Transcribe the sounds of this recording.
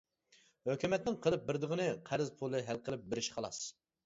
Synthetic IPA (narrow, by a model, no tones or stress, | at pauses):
høkʲymɛt̪nɪŋqʰəlˠɨp̚bɪɾd̪ɨʁənɨqʰæɾɪzpʰolˠɨɦælqʰəlˠɪp̚bɪɾɪʃqʰɑlˠɑ̰s